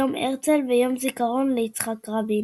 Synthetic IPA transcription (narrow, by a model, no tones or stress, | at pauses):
omʔeʁt͡selvejo̞mzikaʁo̞nleit͡sχakʁabi